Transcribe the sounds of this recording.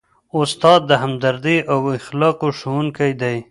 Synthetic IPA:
ʊst̪ɑd̪̚ːəɦamd̪aɾd̪iʔawɪxlɑqoʃuwuŋkajd̪aj

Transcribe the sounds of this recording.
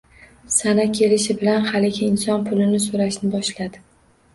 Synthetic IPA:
sanakʲʰe̞lɪʃɪbɪlanhalɪɡʲɪːnsɒnpʰʊlɪnɪsoɾaʃnɪbɒʃlad̪ɪ

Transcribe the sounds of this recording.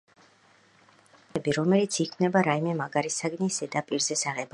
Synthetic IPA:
ɛbiɾɔmɛlit̪sʰikʰvnɛbaɾaimɛmaɡaɾisaɡnisɛd̪apʼiɾzɛsaʁɛb

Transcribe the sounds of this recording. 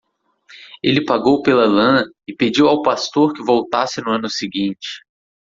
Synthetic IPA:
elɪpaɡowpelɐlɐ̃ɐɪped͡ʒiwawpast̪oɾkɪvowt̪asɪnʊɐ̃nʊsɪɡĩt͡ʃɪ̥

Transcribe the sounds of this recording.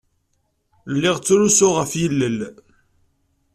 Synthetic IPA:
lːiʁt͡sːuɾusʊʁəfjəlːəl

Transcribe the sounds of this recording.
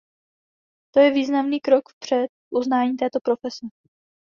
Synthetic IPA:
t̪ojɛviːznamniːkɾo̞kfpr̝̥ɛt̪̚ʔuznaːɲiːt̪ɛːt̪o̞pɾo̞fɛsɛ

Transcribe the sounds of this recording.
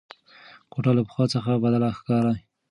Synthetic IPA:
koʈalapə̥xwɑt͡səxabad̪alaxkɑɾa

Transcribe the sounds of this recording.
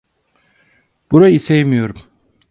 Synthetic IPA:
b̥uɾaisejmijo̞ɾum

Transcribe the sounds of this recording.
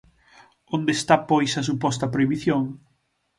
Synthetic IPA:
õnd̪est̪apɔjsɐsupɔst̪ɐpɾoiβiθjoŋ

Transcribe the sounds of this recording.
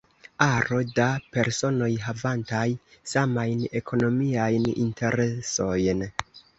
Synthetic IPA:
aɾo̞dape̞ɾso̞no̞jɦavantajsamajne̞kʰo̞no̞miajnḭntʰe̞ɾeso̞jn

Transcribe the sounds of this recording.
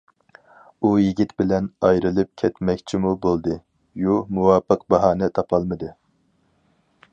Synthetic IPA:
ujiɡʲit̪bɪlɛnɑjɾɨlˠɨp̚kʲʰɛt̪mɛkʲt͡ʃʰimubolˠd̪ɨ | jumuwɑːpəq̚bɑɦɑːnɛt̪ʰɑpʰɑlˠmɨd̪ɨ

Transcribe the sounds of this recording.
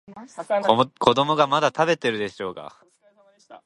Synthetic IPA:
kʰo̞d̪o̞mo̞ɡamad̪at̪abe̞t̪e̞ɾɯ̟d̪e̞ɕo̞ːka̰

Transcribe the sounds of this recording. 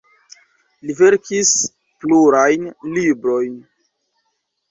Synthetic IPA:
live̞ɾkʰis | pluɾajnlibɾo̞jn

